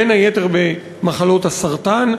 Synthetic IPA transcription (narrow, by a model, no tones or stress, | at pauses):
enajete̞ʁbe | maχalo̞tasaʁt̪an